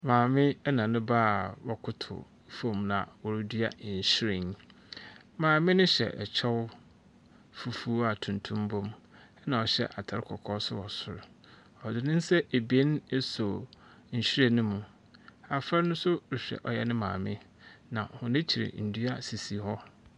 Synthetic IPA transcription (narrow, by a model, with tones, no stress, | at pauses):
mãː˨mɪ̃˦ɛ˦nã˨nʊ̃˦baː˦˨wɔ˨kʰʊ˦tʰʊ̰˨˦ | fõ˨mnã̰˨wɔ˨ɾʊ˦dɥa̰˦˨ɲ̩˨ɕi˦ɾɪ̃˨n˦ | mãː˨mɪ̃˦nʊ̃˦ɕɛ̰˨ʔɛ˨t͡ɕʰɛ˦w | fu˨fu˦a˨tʰũ˨ntʰũ˦mbõ˦m | ɛ˦nã˨ɔ˨ɕɛ̰˦ʔa˨tʰa˨ɾɪ˦kʰɔ˨kʰɔː˦sʊ̰˦wɔ˨sʊ̰˨ɾ | ɔ˨dɪ˨nɪ̃˦n˦sɛ˦e˨be˦n˦e˦so˨ | n̩˨ɕi˦ɾa˨nʊ̃˦mũ˨ | a˨fa˦ɾnʊ̃˦sʊ˦ɾɪ˨ɕᶣɾɛ̰˨ʔɔ˨jɛ˦nɪ̃˦mã̰ː˨mɪ̃˦ | nã˨hʊ̃˨nɪ̃˦t͡ɕʰi˨ɪ̰˨n̩˨du˦a˦si˨si˨hɔ˦